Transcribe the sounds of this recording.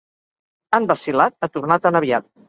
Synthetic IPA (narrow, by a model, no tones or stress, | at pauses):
əmbəsilat̪̚ət̪urnat̪ənəβ̞iat̪̚